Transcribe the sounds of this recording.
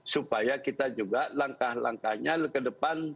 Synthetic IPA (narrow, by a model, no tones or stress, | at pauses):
supajakit̪ad͡ʒuɡalaŋkahla̰ŋkahɲalkədəpan